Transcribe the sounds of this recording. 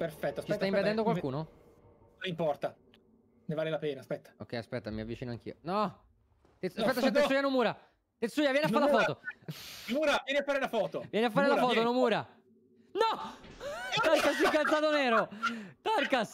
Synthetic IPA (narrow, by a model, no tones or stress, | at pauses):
perfɛt̪ːoast͡ʃisɛt̪aimped̪ɛnd̪okwalkuːno | impɔrt̪a | nevaːlelapeːnaspɛt̪ːḁo̰kːɛjaspɛt̪ːamiavːit͡ʃiːnoaŋk̟ḭːonɔ | t̪easpɛt̪ːat͡ʃɛt̪esujanomuːɾa | t̪et̪sːuːjavjɛːneafaɾelafɔːt̪o | muːɾavjɛːneafaːɾelafɔːt̪ovjɛneafːaːɾelafɔːt̪onomuːɾa | nɔ | t̪arkasiŋkːalt̪sat̪oneːɾot̪arkas